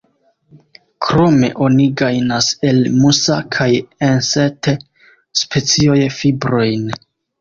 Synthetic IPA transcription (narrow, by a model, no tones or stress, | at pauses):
kʰɾo̞me̞̰ʔo̞niɡajnase̞lmusakʰajensete | spʰe̞t͡sio̞jfibɾo̞jn